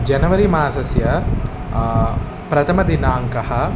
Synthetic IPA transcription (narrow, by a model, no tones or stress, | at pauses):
d͡ʒɐnɐʋɐɾimaːsɐsjɐ | pɾɐt̪ʰɐmɐd̪inaːŋkɐhɐ